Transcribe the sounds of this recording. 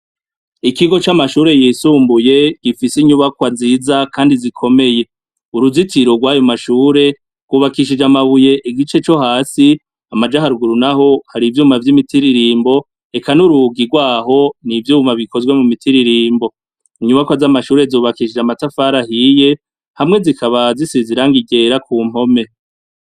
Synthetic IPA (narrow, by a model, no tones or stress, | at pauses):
ikiɡo̞t͡ʃamaʃuːɾe̞jisuːmbuje̞ɡ̥ifisiɲuβakwaziːzakʰaːndizikʰo̞me̞je̞ | uɾuzitʰiɾo̞ɡwaːjomaʃuːɾe̞ | ɡ̥wuβakiʃ̬id͡ʒamaβuje̞ʔiɡit͡ʃe̞t͡ʃo̞haːsi | amad͡ʒahaɾuɡuɾunaho̞haɾivjuːmavjimitʰiɾiɾiːmbo̞ | e̞kanuɾuɡiɡwaːɦo̞nivjuːmaβikʰo̞zwe̞mumitʰiɾiɾiːmbo̞ | iɲuβakwazamaʃuːɾe̞zoːβakiʃid͡ʒamatafaɾahije̞ | hamŋe̞zikʰaβazisiziɾaŋɡiɡe̞ɾakʰuːm̥o̞me̞